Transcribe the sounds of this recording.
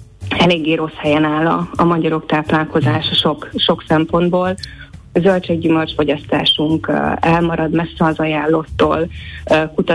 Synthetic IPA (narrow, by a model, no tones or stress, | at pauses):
ɛleːɡːeːɾo̞shɛjɛnaːlɒ̰ːmɒɟɒɾo̞kt̪aːplaːlko̞zaːʃɒʃo̞kʃo̞ksɛmpo̞nd̪boːlzølt͡ʃɛɡɟymørt͡ʃfo̞ɟɒst̪a̰ːʃuŋkɛlmɒɾɒd̪mɛsːɛɒzɒjaːlːot̪ːo̰ːlkut̪ɒ